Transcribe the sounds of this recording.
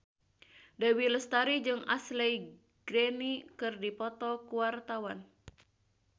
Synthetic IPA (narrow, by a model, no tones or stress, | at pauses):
dawiləst̪aɾid͡ʒɨŋa̰slɛj | ɡ̥ɾenikɨrdipɔt̪ɔkuwart̪awan